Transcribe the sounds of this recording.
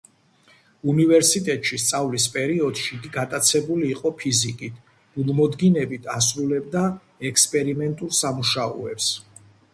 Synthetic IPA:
univɛɾsit̪ʼɛt̪ʼʃist̪sʼavlispʼɛɾiɔd̪̥ʃiːɡiɡat̪ʼat̪sʰɛbuliːqʼɔpʰizikʼit̪ʰ | b̥ulˠmɔd̪ɡinɛbit̪ʰas̬ɾulɛbd̪a | ɛkspʼɛɾimɛnt̪ʼuɾsamuʃaɔ̰ɛps

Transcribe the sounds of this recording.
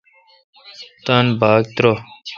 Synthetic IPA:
t̪anbʱaːɡ̚t̪ɾo

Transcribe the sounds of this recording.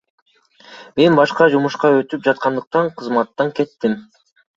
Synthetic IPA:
me̞nbɑʃqɑd͡ʒumuʃqɑøt̪yp̚d͡ʒɑt̪̚qɑnd̪ɯq̚t̪ɑɴqʰɯzmɑt̪ːɑŋke̞t̪ːim

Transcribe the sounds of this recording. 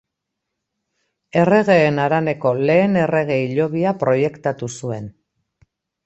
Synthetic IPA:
e̞re̞ɣe̞ːnaɾane̞ko̞le̞ːne̞re̞ɣ̞e̞iʎo̞βiapɾo̞je̞kt̪at̪usue̞n

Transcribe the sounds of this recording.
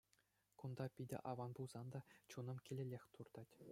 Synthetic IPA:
kund̪ɑpʲidʲɘ̰ʔɑʋɑnbulˠz̥ɑnd̪ɑt͡ɕunɤ̆mkʲilʲĕlʲexʲt̪urd̪ɑtʲ

